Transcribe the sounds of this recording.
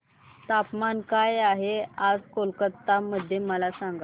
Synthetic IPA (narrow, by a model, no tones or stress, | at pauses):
t̪apmankajaɦead͡zkolkət̪ːaməd̪ʱːjeməlasãŋɡa